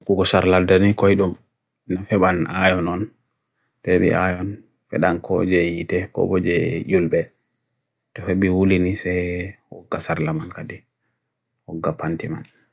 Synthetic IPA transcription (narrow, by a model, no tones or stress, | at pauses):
kuɡɔsaɾladanikɔjɗɔm | nafɛɓanajɔnɔn | tɛɓḭʔajɔn | fɛ̰ɗankʰɔ̰d͡ʒɛjitɛkɔ̰bɔd͡ʒɛjulbɛ | tɔfɛɓiwulinisɛhɔ̰ɡːasaɾlamankadi | hɔɡːapantima̰n